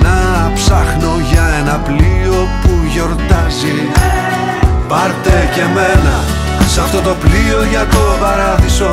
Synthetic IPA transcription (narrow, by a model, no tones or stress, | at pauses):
nɐpsɐxno̞ʝɐe̞nɐplio̞puʝo̞ɾt̪ɐzi | bɐɾt̪e̞ce̞menɐ | sɐft̪o̞t̪o̞plio̞ʝɐt̪opɐɾɐðiso̞